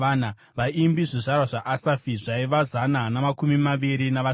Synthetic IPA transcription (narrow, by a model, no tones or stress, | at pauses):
ana | ʋaʔimbiʐiʐarwaʐaʔasafiʐaiʋazananamakumimaʋiɾinaʋa